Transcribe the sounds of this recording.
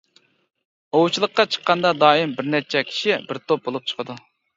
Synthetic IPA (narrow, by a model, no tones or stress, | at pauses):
owut͡ʃʰilˠəqːɑt͡ʃʰə̥qːɑnd̪ɑd̪ɑːimbɪɾnɛt͡ʃʰɛkʲʰi̥ʃibɪɾt̪ʰop̚bolˠup̚t͡ʃʰə̥qʰəd̪u